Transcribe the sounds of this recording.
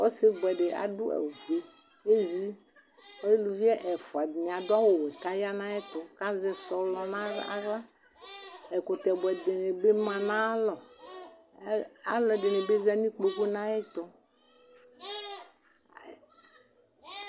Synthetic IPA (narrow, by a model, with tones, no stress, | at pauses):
wo˦se˦ɡ͡bɛ˨ɖe˨ʔa̰˨du˦ɛ̰˨wve˦ | e˦zi˦ | ɔ˦je˦lu˨vi˦ɛ˦ʔɛ˨fo˨a˨dɲ˨a˨dʊ˦a˦wo˨wɛ˨ka˦ja˦nã˦ɛ˦t̪ɔ˨ka˦zɛ˦sɔ˨lɔ˦nã˦a̰˦ɣla˦ | ɛ˨ko˨t̪ɛ˨bɛ˨de˨ne˨be˦mã˨nã˦lɔ˨˦ | a̰˦lɔ˨de˨nẽ˨be˦zɛ˦nĩ˦k͡po˦ku˦nã˦ɛ˦t̪ɔ˦˨